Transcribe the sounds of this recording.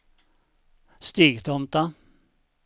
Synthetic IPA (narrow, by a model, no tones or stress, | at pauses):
st̪iːɡt̪ʰɔmt̪a